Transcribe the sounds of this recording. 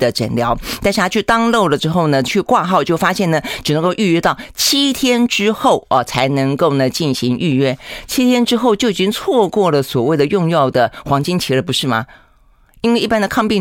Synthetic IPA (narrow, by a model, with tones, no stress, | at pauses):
d̪ə˨ʈ͡ʂə̰˨˩nljɑ˧˥ʊt̪a˥˧nʂɻ̩˥˩tʰa˥t͡ɕʰy˥˩t̪ɑ˥ŋlo˥˩ʊlə˩ʈ͡ʂɻ̩˥xo˥˩ʊnə˩t͡ɕʰy˥˧kwa˥˧xɑ˥˧ʊt͡ɕjo˥˩ʊfa˥ɕjɛ˥˩nə˩ʈ͡ʂɻ̩˨˩nə˧˥ŋko˥˧ʊy˥˧ɥɛ˥t̪ɑ˥˩ʊt͡ɕʰi˥t̪ʰjɛ˥nʈ͡ʂɻ̩˥xo˥˩ʊʔə˨˩t͡sʰa˧˥ɪnɤ˧˥ŋko˥˩ʊnə˩t͡ɕi˥˩nɕi˧˥ŋy˥˧ɥɛ˥t͡ɕʰi˥t̪ʰjɛ˥nʈ͡ʂɻ̩˥xo˥˧ʊt͡ɕjo˥˩ʊi˨˩t͡ɕi˥ŋt͡sʰwɔ˥˧kwɔ˥˩lə˩swɔ˨˩we˥˩ɪd̪ə˩jʊ˥˧ŋjɑ˥˩ʊd̪ə˩xwɑ˧˥ŋt͡ɕi˥ŋt͡ɕʰi˧˥lə˧˩pu˧˥ʂɻ̩˥˩mɐ̰˩ | i˥nwe˥˧ʔi˥˩pa˥nd̪ə˨˧kʰɑ˥˧ŋpi˥˩